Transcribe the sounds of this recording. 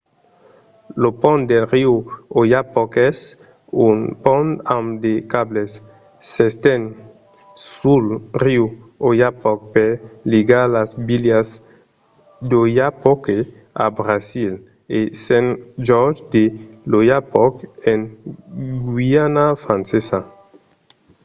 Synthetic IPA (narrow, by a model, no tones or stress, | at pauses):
lopɔ̃nd̪elʁiuojapɔkɛs | unpɔ̃namd̪ekablesː | est̪en | sulriuojapɔk̚peliɡalazbiljas | d̪ojapɔke | a̰bɾasil | esẽnʒɔɾd͡ʒd̪elojapɔken | ɡwianafɾãnsesa